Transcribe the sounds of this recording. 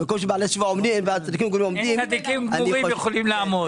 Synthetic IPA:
mekomʃ̬ebaaleʃuvaomdimveat͡sad̪ikimɡuʁimomdimad̪ikimɡanuʁijeχolimlaamo

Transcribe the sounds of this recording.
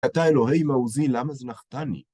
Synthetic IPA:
at̪aeloɦejmauzilamazenaχt̪anḭ

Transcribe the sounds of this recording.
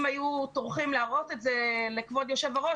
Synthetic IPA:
mhajutoʁχimlaaʁotetze̞lekvo̞djo̞ʃevaʁo̞

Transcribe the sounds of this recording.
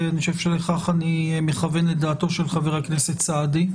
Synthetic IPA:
anioev̥ʃeleχaχanimeχavenledaːto̞ʃe̞lχaveʁeknesett͡saːdi

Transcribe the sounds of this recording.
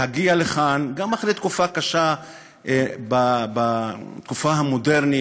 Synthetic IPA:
haɡialeχanɡamaχɾet̪kufakaʃa | babat̪kufaɦamodeʁni

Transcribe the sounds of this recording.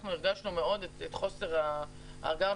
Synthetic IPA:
χnueʁɡaʃnumeo̞d̪etet̪χo̞seʁa | a̰ɡaʁ

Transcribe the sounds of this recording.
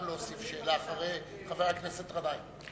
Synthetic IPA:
mloosifʃe̞ːlaːχaʁej | χaveʁaknesetʁadaj

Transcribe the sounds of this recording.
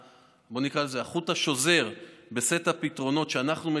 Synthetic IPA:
bo̞nikʁalezeaχutaʃo̞ze̞ʁbe̞se̞tapitʁo̞no̞tʃeanaχnume

